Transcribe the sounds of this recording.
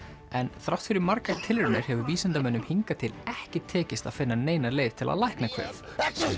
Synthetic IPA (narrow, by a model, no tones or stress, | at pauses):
ɛnθɾawht̪fɪɾɪɾmaɾkaɾt̪ʰɪlɾʏnɪɾ̥hɛvʏviːsɛnt̪amɛnːʏmhiŋkat̪ʰɪlɛhcɪt̪ʰɛːcɪst̪a̰ðfɪnːaneːjnaleːjv̥t̪ʰɪlʔa̰ðlajhknakʰv̥ɛ̰ːθ